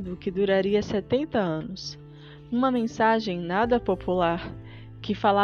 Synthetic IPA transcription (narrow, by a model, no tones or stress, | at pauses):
d̪ʊkɪd̪uɾaɾiɐsɛt̪ẽnt̪ɐɐ̃nʊs | ũmɐmẽsaʒẽj̃nad̪ɐpopulaɾ | kɪfala